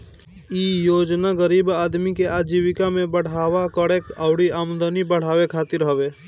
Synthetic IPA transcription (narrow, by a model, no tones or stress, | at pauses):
ijoːd͡ʒnaɣəɾiːbaːd̪mikeaːd͡ʒiːwɪkamẽbəɽ̤aːwakəɽeːkaʊɽiaːmd̪ənibəɽ̤aːwekʰaːt̪ɪɾɦəʋeː